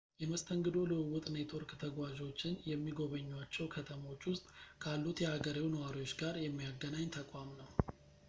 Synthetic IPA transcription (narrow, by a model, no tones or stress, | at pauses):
jɛməst̪ʰəŋɡɨd̪o̞lɨɨwʊt̪ʼnet̪ʰoɾkt̪ʰəɡwad͡ʒo̞t͡ʃːɪnjɛmːiɡo̞βəɲːwat͡ʃːɛwkʰət̪ʰəmo̞t͡ʃːwʊst̪ʼkʰalːut̪jɛhaɡəɾiwnəwaɾiwo̞t͡ʃːɡaɾjɛmːijaɡːənaɲːt̪ʰəkʼamnəw